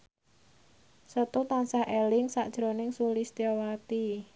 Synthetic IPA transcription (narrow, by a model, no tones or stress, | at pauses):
sət̪ut̪ansahʔelɪŋsaʔd̥ʒ̥ɾo̤nɪŋsulist̪iowat̪i